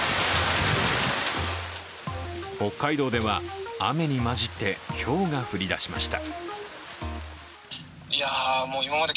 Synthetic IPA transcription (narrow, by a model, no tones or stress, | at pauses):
ho̞kːaid̪o̞ːd̪e̞βaame̞ɲ̟imaʑit̪ːe̞ço̞ːŋaɸɯ̟ɾʲid̪aɕima̰ɕi̥t̪a | ijamoːimamad̪e